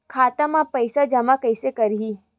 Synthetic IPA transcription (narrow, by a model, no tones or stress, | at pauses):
kʰaːt̪amãpəjsad͡ʒamãkəjsekəɾɦi